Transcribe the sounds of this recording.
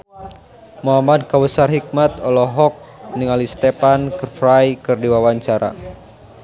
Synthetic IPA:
muɦamad̚kawəsarɦik̚mat̪ɔlɔɦɔk̚niŋalist̪epankərfɾajkɨrdiwawaɲt͡ʃaɾa̰

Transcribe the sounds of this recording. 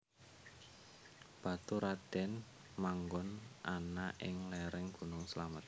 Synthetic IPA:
b̥a̤t̪uɾad̪̥ɛn | maŋɡɔnʔanaʔɪ̰ŋlɛɾɛŋɡ̥ṳnʊŋsəlamət̪̚

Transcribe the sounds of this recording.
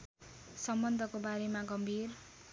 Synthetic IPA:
sʌmbʌnd̪ʱʌkobaɾemaɡʌmbʱir

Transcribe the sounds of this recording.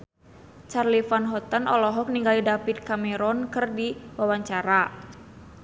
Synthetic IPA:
t͡ʃarlifanɦɔt̪ənɔlɔɦɔk̚niŋɡalidapit̪̚kamɛɾɔnkɨrdiwawaɲt͡ʃaɾa

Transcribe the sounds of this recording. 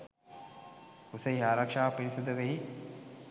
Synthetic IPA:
usɐiaːɾakʂaːpiɾisɐd̪əʋeɦi

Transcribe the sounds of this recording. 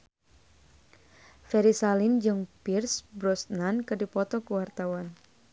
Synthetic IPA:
fɛɾisalind͡ʒɨŋpirsbɾɔsnankərdipɔt̪ɔkuwart̪awan

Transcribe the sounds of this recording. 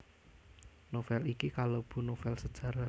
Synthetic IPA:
nofɛlikikalob̥ṳnofɛlsəd̥ʒ̥ä̤ɾa

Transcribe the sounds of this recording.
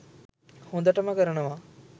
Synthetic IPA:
hõnd̪ɐʈəməkəɾənɐʋa

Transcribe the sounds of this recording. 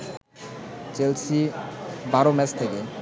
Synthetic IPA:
t͡ɕelsibaɾomɛst̪ʰeke

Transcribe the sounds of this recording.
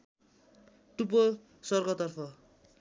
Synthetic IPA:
ʈup̬o | sʌrɡʌt̪ʌrpʰʌ

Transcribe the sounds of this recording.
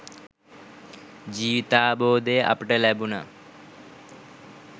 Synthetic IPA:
d͡ʒiːʋt̪aːboːd̪eʔɐ̰pʈəlɛbuna̰

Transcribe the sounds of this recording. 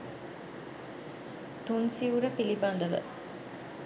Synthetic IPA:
t̪unsiuɾəpiliband̪ɐʋə̰

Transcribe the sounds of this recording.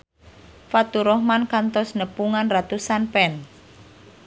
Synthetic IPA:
fat̪uɾɔhmankant̪ɔsnəpuŋanrat̪usanpɛn

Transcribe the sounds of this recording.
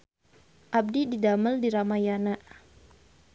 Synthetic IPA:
ʔab̚dididaməldiɾamajanaʔ

